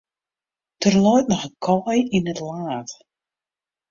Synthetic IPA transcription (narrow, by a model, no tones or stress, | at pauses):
d̥ərlɔjt̚nɔxənkʰɔjinətlaːt